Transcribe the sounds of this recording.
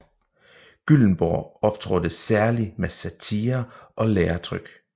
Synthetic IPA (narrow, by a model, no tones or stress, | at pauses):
ɡ̥yln̩b̥ɒɒ̽b̥̚t͡sʰʁɔd̥əsæɐlimesæt͡sʰiːɐʔɒ̽leːɐt͡sʰʁœɡ̥